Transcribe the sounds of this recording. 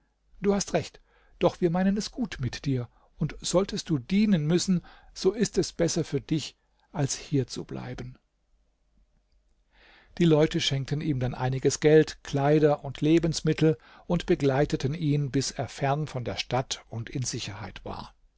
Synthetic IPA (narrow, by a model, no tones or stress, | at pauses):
d̥uːhastʁɛçt | d̥ɔχv̥iːɐmaɪnənɛsɡ̥uːtmɪtd̥iːɐ | ʊntz̥ɔltʰəst̚d̥uːdiːnənmʏsn̩z̥oːɪstɛsb̥ɛsɐfyːɐdɪç | ʔalshiːɐt͡sṵblʔa̰ɪbən̩ | d̥iːlɔʏtəʃɛŋk̚tən̩ʔiːmdanʔa̰ɪnɪɡəsɡ̥ɛltkʰl̥aɪdɐʔʊntʰleːbn̩smɪtʰl̩ | ʔʊntb̥əɡlaɪtətən̩iːnbɪseːɐfɛɐnfɔndeːɐʃtatʊntɪnzɪçɐha̰ɪtv̥a̰ːɐ